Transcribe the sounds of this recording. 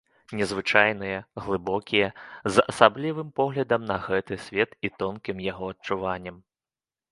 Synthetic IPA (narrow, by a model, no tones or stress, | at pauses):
nʲɛzvɨt͡ʂajnɨjɐɣlˠɨbɔkʲijɐzɐ̰sablʲivɨmpɔɣlʲɐd̪ɐmnɐɣɛt̪ɨsʲvʲɛt̪it̪ɔnkʲimjaɣɔɐtt͡ʂuvanʲːɛm